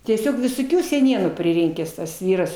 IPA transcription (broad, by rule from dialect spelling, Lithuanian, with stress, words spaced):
tʲiɛˈsʲoːk ʋʲɪsoːˈkʲuː sʲɛˈnʲiɛnuː pʲrʲɪˈrʲɪŋʲkʲæːs tɐs ˈʋʲiːrɐs